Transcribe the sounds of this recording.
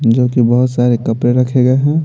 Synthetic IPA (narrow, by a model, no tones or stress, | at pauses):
d͡ʒoːkibɐɦʊt̪saːɾekɐpɾeɾɐkʰeɡɐeɦɛ̃